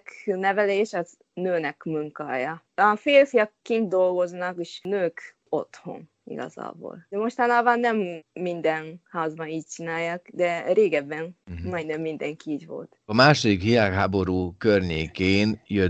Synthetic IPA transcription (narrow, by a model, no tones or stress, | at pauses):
knɛvɛleːʃɒz | nøːnɛkmuŋka̰ːjɒ | ɒfeːlfijɒkːint̪̚d̪o̞lɡo̞znɒkeʃnøːk | o̞̰t̪ho̞̰n | ḭɡɒ̰za̰ːbo̰lɛmo̞ʃt̪ɒnaːbɒnːɛmːind̪ɛnhaːzbɒniːc̚t͡ʃinaːjːaːkd̪ɛɾeːɡɛbːɛnmɒjnɛmːind̪ɛŋkiiːɟʋo̞̰lt̪ɒmaːʃod̪ikʋilaːkɦaːbo̞ɾuːkørɲeːkeːnjø